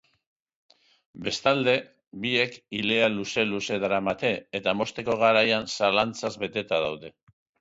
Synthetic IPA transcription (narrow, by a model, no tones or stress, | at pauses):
be̞st̪ald̪e̞ | bie̞kile̞aluse̞luse̞ðɾamat̪e̞et̪amo̞st̪e̞ko̞ɣ̞aɾajansalant͡sazβe̞t̪e̞t̪að̞awðe̞